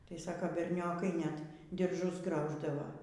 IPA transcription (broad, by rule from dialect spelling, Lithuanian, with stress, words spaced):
tɐɪ ˈsɑːkoː bʲɛrʲˈnʲoːkɐɪ nʲɛt dʲɪrˈʒʊs ˈɡrɐʊʒdɐʋoː